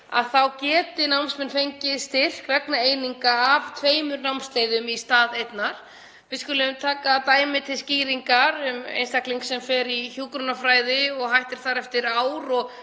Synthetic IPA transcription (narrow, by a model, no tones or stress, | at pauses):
a̰ðθawcɛːt̪ɪnawmsmɛnfejɲcɪðst̪ɪr̥krɛknaejniŋkaːvt̪ʰveːjmʏɾnawmst̪leːjðʏmist̪aːðejt̪naɾ̥ | vɪðskʏːlɪʏmt̪ʰaːkat̪aːjmɪt̪ʰɪlsciːɾiŋkaɾʏmḛjnst̪akliŋksɛmfɛɾiçjuːkɾʏnafɾaːjðɪɔɣɦajht̪ɪɾ̥θaɾɛft̪ɪɾaːwɾɔɣ